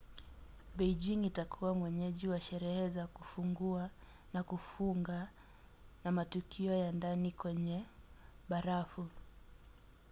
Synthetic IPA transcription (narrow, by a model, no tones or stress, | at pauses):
bɛd͡ʒiŋitakʰuwamwɛɲɛʄiwaʃɛɾɛhɛzakufuŋɡua | nakufuŋɡa | namatukʰiɔjandanikwɛɲɛɓaɾafu